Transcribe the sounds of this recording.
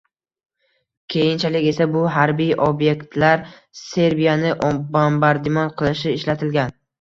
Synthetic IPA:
kʲʰe̞jɪnt͡ʃʰalɪkʲe̞sabʊɦaɾbijʔobje̞kʲt̪ʰlaɾ | se̞ɾbijanɪʔbombaɾd̪ɪmɒnqʰɨlˠɪʃɪːʃlat̪ʰɪlɡʲan

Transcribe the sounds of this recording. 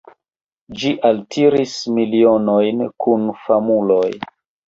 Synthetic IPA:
d͡ʒiʔaltʰiɾismilio̞nojnkʰunfamuloj

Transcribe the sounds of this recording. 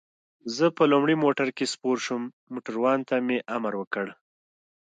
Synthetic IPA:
zəpəlumɽimoʈaɾkespoɾʃumːoʈaɾwɑnt̪ameʔamaɾwəkəɽ

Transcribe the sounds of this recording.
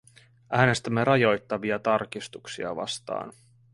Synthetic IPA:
ʔæːne̞st̪æmːe̞ɾɑjo̞jt̪ːɑʋiɑt̪ɑrkist̪uksḭɑ̰ʋɑ̰st̪ɑ̰ːn

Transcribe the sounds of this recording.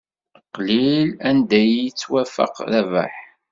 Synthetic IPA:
qːlilænd̪æjt͡sːwæfə̰qðævæ̰ħ

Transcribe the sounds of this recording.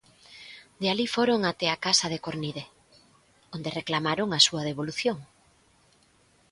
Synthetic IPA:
d̪ealifoɾoŋat̪eakasɐðekoɾniðe | ond̪ereklamaɾoŋasuɐð̞eβ̞oluθjoŋ

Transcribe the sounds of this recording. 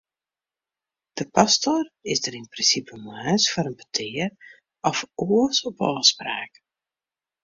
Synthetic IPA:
d̥əpastorɪsdəɾɪnprɪnsipəmaːsfoɾənbətʰɪər | ɔfoəsɔpɔəspra̰ːk

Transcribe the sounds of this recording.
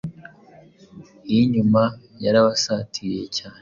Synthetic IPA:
iɲuma | jaɾaβasaːtʰije̞caːne

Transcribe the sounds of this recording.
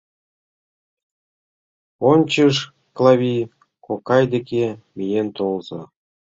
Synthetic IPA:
onʲt͡ɕəʃ | klˠɑβʲi | kokɑjd̪ekemijent̪olzɤ̰̆

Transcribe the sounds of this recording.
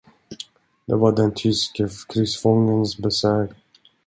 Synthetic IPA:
d̪̥ɛ̰vaɖɛnt̪ʰʏskəkʰɾʏsfɔŋːənsbɛsœːk

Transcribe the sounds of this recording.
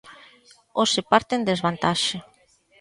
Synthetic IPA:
osepaɾt̪end̪ezβant̪aʃe

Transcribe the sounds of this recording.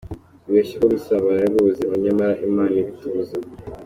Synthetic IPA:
βeʃiβoβisaβajaβoziβaɲamaɾaʔimaːniβituza

